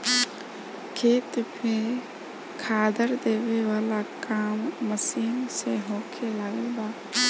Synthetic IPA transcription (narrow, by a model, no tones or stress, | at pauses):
kʰeːt̪pʰe | kʰaːd̪əɾd̪eːweʋaːlakaːmːəsiːnseɦoːkʰelaɡəlbaː